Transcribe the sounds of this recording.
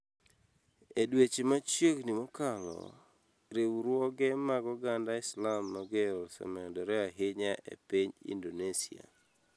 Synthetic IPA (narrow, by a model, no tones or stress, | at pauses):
edwet͡ʃemat͡ʃjeɡnimɔkalɔ̰ | ɾewɾwɔɡɛmaɡɔɡandaɪslamːaɡelsɛ̰mɛdɔɾɛaɦɪɲaʔḛpiɲḭndonesia̰